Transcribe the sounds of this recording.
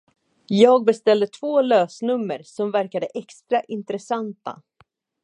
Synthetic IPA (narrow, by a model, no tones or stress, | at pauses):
jɑːɡ̚bɛst̪ɛld̪ət̪ʰvoːløːsnɵmːəɾsɔmvæɾkad̪əʔɛkst̪ɾaʔɪnt̪ɾɛsant̪a̰